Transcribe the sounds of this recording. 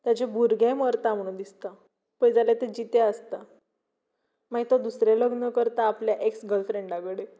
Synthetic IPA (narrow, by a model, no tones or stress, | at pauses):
t̪jat͡ɕebʱuɾɡʱeməɾt̪am̤əɽ̃ũnd̪ist̪a | pəjd͡zalat̪ed͡ʑit̪eəst̪a | maɡit̪ɔd̪usɾeləɡnəkəɾt̪aːpljaʔeksɡəlfɾeɳɖaɡəɽe